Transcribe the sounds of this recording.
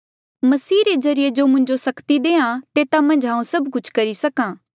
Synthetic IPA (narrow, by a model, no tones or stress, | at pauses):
mɐsiːɾezɐɾɪjed͡ʒoːmʊ̃ɲd͡ʒosɐkt̪id̪eːãt̪eːt̪amɐ̃nd͡ʒɦãːũsɐbkʊt͡ʃʰkɐɾisɐkãː